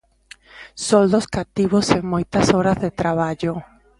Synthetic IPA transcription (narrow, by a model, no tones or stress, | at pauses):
sold̪oskat̪iβose̞ŋmujt̪asoɾazðe̞t̪ɾaβad͡ʒo